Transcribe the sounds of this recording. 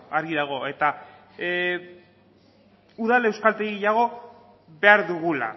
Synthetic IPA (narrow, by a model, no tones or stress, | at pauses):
aɾɣiðaɣ̞o̞e̞t̪a | uðale̞wskalt̪eiɣejaɣ̞o̞ | βe̞aɾðuɣ̞ula̰